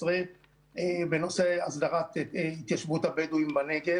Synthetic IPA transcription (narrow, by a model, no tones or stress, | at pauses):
sʁe | ebeno̞seasd̪aʁat̪it̪jaʃvut̪abeduimbaneɡe